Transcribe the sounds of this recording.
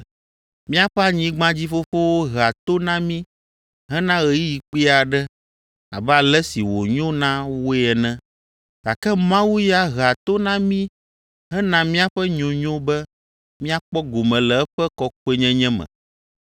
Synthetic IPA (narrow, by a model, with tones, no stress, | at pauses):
mĩ˦a˦ɸɛ˦a˦ɲĩ˦ɡ͡bã˦d͡ʑi˦fo˦fo˦wo˦ɣa˨t̪o˦nã˦mĩ˦ | ɦɛ˦nã˦ɣɛ˨ji˦ji˨k͡pi˦a˨ɖɛ˦ | a̰˨bɛ˦a˨lɛ˦si˨wo˨ɲõ˦nã˦wo˦ɛ˨nɛ̃˦ | ɣa˨kɛ˦mã˦wu˦ja˦ɣa˨t̪o˦nã˦mĩ˦ | ɦɛ̃˦nã˦mĩ˦a˦ɸɛ˦ɲõ˨ɲõ˦bɛ˦ | mĩ˦a˦k͡pɔ˦ɡo˨mɛ̃˨lɛ˨ɛ˦ɸɛ˦kɔ˦k̚u˦e˦ɲɛ̃˦ɲɛ̃˦mɛ̰̃˨